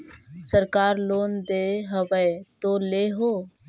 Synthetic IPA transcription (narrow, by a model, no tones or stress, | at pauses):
səɾkaːɾloːnd̪eːɦəʋəet̪oːleːɦoː